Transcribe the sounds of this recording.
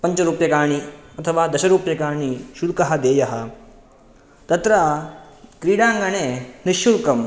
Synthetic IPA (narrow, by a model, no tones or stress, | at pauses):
pɐɲt͡ʃɐɾuːpjɐkaːɳ̃iɐt̪ʰɐʋaːd̪ɐɕɐɾuːpjɐkaːɳ̃iʃulkɐɦɐd̪eːjɐɦɐ | t̪ɐt̪ɾɐ | kɾiːɽaːŋɡɐneːniʃːulkɐm